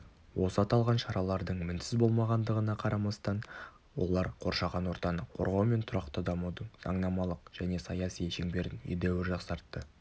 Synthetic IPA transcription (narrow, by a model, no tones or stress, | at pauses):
wo̞səɑt̪ɑlˠʁɑnʃɑɾɑlˠɑɾd̪əɴmɪnsɪzbo̞lˠmɑʁɑnd̪əʁənɑqʰɑɾʔɑmɑst̪ɑn | wo̞̰lˠɑɾqʰo̞ɾʃɑʁɑnwo̞ɾt̪ɑnəqʰo̞̰ɾʁɑwme̞nt̪ʰʊɾɑqt̪əd̪ɑmud̪əɴz̥ɑ̰ɴnɑmɑlˠəqʒ̥æne̞sɑjɑsijʃeŋbe̞ɾɪnʏ̰jd̪ewɪɾʒɑqsɑɾt̪ːə